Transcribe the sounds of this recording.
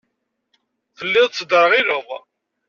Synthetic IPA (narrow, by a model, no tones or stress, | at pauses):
θəlːɪðˤt͡sːd̪ɾəʁiləðˤ